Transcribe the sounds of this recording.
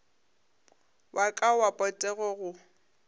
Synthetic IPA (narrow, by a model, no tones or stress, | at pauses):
wʔakʼawapʼɔtʼɛɣɔɣʊ